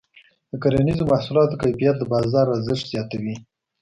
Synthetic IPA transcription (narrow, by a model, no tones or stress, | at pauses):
d̪əkaɾanizomahsulɑt̪okajfijat̪̚d̪əbɑzɑɾazɪʃʈ̪z̥jɑt̪awi